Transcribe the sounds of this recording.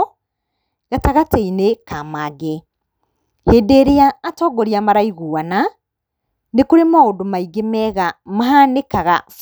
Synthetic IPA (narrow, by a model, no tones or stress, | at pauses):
ɣataɣateinekamaɡe | heːdeɾeaːtɔɡoɾiamaɾaiɣuana | nekoɾemaodomaiɡemɛɣamaɦanekaɣaf